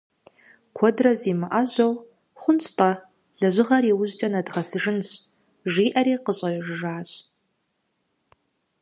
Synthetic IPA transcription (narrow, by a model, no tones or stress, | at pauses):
kʷʰɔdrɐziːmɨʔɐʑɐw | χʷʊnɕʼtʼɐ | ɮɐʑɪʁɐriːwʊʑt͡ʃʼɐnɐdʁɐsɨʐɨnɕʼ | ʒiːʔɐɾeːqəɕʼɐʒʒaːɕʼ